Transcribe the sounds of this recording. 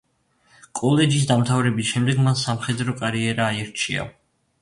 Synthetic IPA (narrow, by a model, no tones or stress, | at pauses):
kʼɔlɛd͡ʒis̬d̪amt̪ʰavɾɛbisʃɛmd̪ɛɡmansamχɛd̪ɾɔkʼaɾiɛɾaːiɾt͡ʃʰia̰